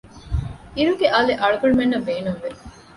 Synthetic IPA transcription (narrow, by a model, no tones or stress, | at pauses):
iɾuɡeʔaːleʔɐɭuɡɐɳumenːɐbeːnumʋeɾ